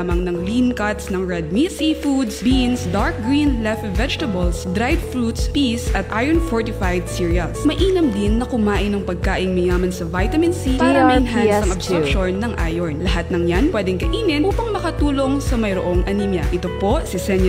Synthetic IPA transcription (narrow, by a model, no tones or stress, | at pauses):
mɐŋnɐŋlinkɐt̪snɐŋɹɛd̪̚misifud̪sbinsd̪aɹk̚ɡɹinlɛft̪vɛd͡ʒt̪ɐbɐlsd̪ɾajd̪flut̪spisʔɐt̪ʔajɛɹnfoɹt̪ɪfajd̪siɹiɐlsmɐʔiːnɐmd̪ɪnːɐkʊmaːʔɪnɐŋpɐɡ̚kaːʔɪŋmɐjaːmɐnsɐvajt̪ɐmɪnsiʔɔɛnɦansɐŋɐbsɔpʃonːɐŋʔaːjoɹnlɐɦat̪̚nɐŋjanpwɛːd̪ɛŋkɐʔiːnɪnʔuːpɐŋmɐkɐt̪uːlo̞ŋsɐmɐjɾo̰ʔoŋʔɐnimjɐʔɪt̪opo̞sisɛɲ